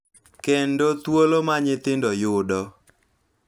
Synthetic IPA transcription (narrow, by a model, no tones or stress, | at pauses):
kendot̪wolomaɲɪt̪ɪndɔjʊdɔ